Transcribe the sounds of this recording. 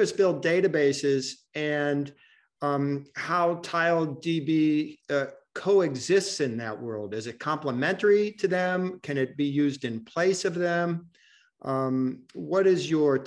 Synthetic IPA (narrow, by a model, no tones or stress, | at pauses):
ʌsb̥ɪlˠd̚d̥eɪɾɨbeɪsɪz | ɨ̃n | haʊtʰaɪlˠdibi | kʰoʊɨɡzɪstsɨ̃nðɨ̰ʔ̚wɜ˞lˠdɨzɨt̚kʰɑ̃mpləmɛ̃ntə˞iɾɨðɨ̃mkʰɨ̃ñɨt̚b̥ijʉzdɨ̃npʰl̥eɪsʌvðɨ̃m | wʌɾɪzjə˞